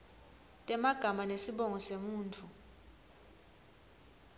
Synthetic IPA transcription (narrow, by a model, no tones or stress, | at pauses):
tʼɛmaɡ̥ʱamanesiɓɔŋɔsemuːntʰu